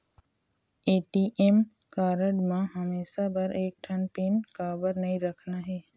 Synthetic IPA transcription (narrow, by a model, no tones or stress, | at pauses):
eːʈiːʔemkaːɾəɖmãɦɐmeːʃabɐɾʔeːk̚ʈʰɐnpiːnkaːbəɾnɐĩɾɐkʰnaɦɛː